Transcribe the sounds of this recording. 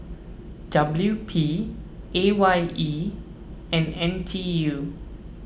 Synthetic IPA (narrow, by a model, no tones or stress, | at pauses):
d̥abljupʰi | ʔewaji | ɛ̃nɛ̃ntʰiju